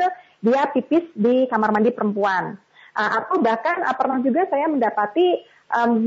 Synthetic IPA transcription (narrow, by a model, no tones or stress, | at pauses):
diapipɪsdikamarmandipəɾəmpuan | ʔəʔat̪awbahkana̰pərnahd͡ʒuɡasajaməndapat̪i | ʔəm